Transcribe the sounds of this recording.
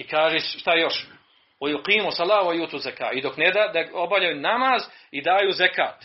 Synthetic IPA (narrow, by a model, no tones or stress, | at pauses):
ikaːʒeːsʃt̪ajo̞ʃ | wajuqiːmusɑlaːwajuːt̪uzaka̰ːid̪o̞kned̪ad̪aobavʎajuːnamaːzid̪aːjuːzeka̰ːt̪